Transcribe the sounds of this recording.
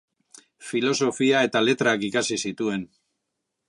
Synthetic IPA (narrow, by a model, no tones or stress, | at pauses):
filo̞so̞fiae̞t̪ale̞t̪ɾaaːkikasisit̪ue̞n